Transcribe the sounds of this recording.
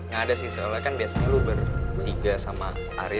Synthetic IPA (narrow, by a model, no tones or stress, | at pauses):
ŋadasɪsəolɛkanbiasaɲalubərt̪iɡasamaa̰ɾɪ